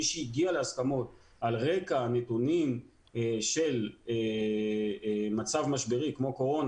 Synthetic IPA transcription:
iʃeiɡialeaskamo̞t̚ | alʁe̞kanetunim | ʃe̞le | mat͡savmaʃbeʁikmo̞ko̞ʁo̞n

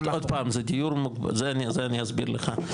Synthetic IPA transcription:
od̪̚paːmzed̪ijuɾmukba̰zeanizeaniazbḭɾlə̰χa

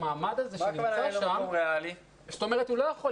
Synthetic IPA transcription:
maːmad̪azeʃaʃammeali | ʃoto̞me̞ʁ̞etulojaχo

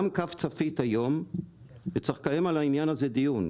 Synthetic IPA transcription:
mkaft͡safithajo̞m | vet͡saχkajemalaimjanazedijun

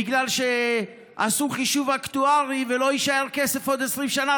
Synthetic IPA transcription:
iɡlalʃe | a̰suχiʃuvakt̪uaʁiveloiʃaeʁkesefod̪esʁimʃana

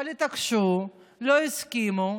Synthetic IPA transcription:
ɐlit̪ɐkʃu | loiskiːmo

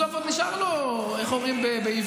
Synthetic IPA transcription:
ofaiʃaʁlo | eχoʁimbebeiv

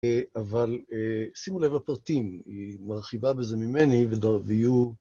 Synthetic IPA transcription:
avalesimulevapʁat̪imimaʁχivabe̞zemimenivedaveiju

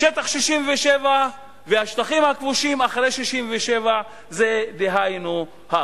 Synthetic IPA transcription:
ʃet̪aχʃiʃimveʃeva | vehaʃt̪aχimhakvuʃimaχɾejʃiʃimveʃeva | zed̪eɦajnu | ha

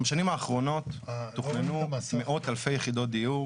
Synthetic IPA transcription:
ʃanimaːχʁo̞no̞t̪ːuχnenumeʔo̞t̪alfejeχid̪o̞t̚d̪iju

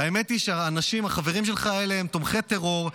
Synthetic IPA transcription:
aeme̞t̪iʃeaːnaʃimaχaveʁimʃe̞lχaeleemt̪omχe̞t̪e̞ʁo̞ʁ

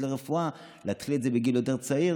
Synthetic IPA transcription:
leʁefua | leat̪χiletzebeɡiljo̞te̞ʁt͡sai

